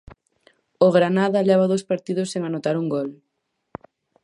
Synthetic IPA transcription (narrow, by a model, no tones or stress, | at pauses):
oɣɾanaðɐleβ̞ɐðospaɾt̪iðʊseŋanot̪aɾuŋɡɔl